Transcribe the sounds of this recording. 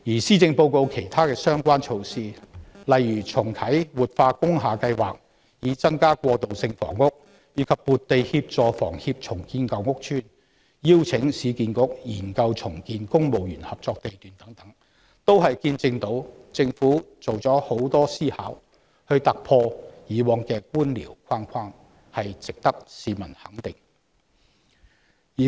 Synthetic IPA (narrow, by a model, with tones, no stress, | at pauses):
jiː˨˩siː˥t͡sɪ˧ŋpo˧wko˧wkʰe˨˩jt̪ʰaː˥kɛː˧sœː˥ŋkʷaː˥nt͡ʃʰo˧wsiː˧lɐ˨jɥyː˨˩t͡sʰʊ˨˩ŋk̪ʰɐ˨˥jwuː˨t̚faː˧kʊ˥ŋɦaː˨kɐ˧jwaː˨k̚ | jiː˨˧t͡sɐ˥ŋkaː˥kʷɔː˧t̪o˨wsɪ˧ŋfɔ̰ː˨˩ŋːʊ˥k̚ | jiː˨˧˥kʰɐ˨pːuː˨tt̪e˨jhiː˧p̚t͡sɔː˨fɔ̰ː˨˩ŋhi˧p̚t͡ʃʰʊ˨˩ŋkiː˧nkɐ˨wŋʊ˥k̚t͡ʃʰyː˥n | jiː˥wt͡sʰɪ˨˥ŋsiː˨˧kiː˨˧nkʊ˥k̚jiː˨˩nkɐ˧wt͡sʰʊ˨˩ŋkiː˨nkʊ˥ŋmo˨wjyː˨˩nhɐ˨p̚t͡sɔː˧k̚t̪e˨jt̪yː˨nt̪ɐ˨˥ŋt̪ɐ˨˥ŋ | t̪o˥wɦɐ˨jkiː˧nt͡sɪ˧ŋt̪o˨˥wt͡sɪ˧ŋfuː˨˥t͡so˨wt͡sɔː˨˥ho˨˥wt̪ɔː˥siː˥ha̰ː˨˥w | hɵ˧ɥt̪a˨k̚pʰɔː˧jiː˨˧wɔː˨˧ŋkɛː˧kuː˥nlḭː˨˩wkʰaː˥nkʷʰaː˥ŋ | hɐ˨jt͡sɪ˨k̚t̪ɐ˥k̚siː˨˧mɐ˨˩nhɐ˨˥ŋt̪ɪ˨ŋ | iː˨˩